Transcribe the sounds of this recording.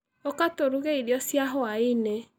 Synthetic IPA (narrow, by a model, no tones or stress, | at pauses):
okatoɾuɣeiɾjɔsjaɦɔaine